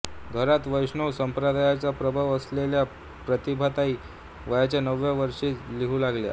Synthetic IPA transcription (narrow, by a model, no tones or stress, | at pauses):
ɡʱəɾat̪ʋəjʂɳəʋsəmpɾəd̪ʱajat͡sapɾəbʱəʋəslelja | pɾət̪ibʱat̪aɦiː | ʋəjat͡ɕjanəʋjaʋəɾʂiːliɦuːlaɡlja̰